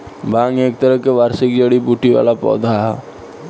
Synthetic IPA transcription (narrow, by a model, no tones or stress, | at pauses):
bãːŋɡeːk̚t̪əɾəɦkeʋaːɾsɪk̚d͡ʒəɽibuʈiʋa̰ːlapɔ̰ːd̪ʱaɦ